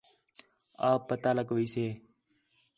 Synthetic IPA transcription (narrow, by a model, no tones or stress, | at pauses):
aːpːət̪aːləɡʋiːseː